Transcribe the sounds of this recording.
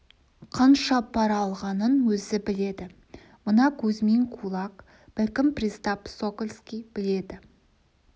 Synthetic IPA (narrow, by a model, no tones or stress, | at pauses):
qʰɑnʃɑpʰɑɾɑlˠʁɑnənwɵzɪbɪle̞d̪ɪ | mʊnɑkʲʰɵzmeŋkʰulˠɑq | b̥ɪlkʲɪmprʲist̪ɑpsokolʲskʲijb̥ɪle̞d̪ɪ